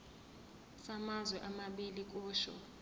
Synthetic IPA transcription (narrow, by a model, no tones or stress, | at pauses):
samazwɛʔamaɓilik̬ʼɔːʃɔ̰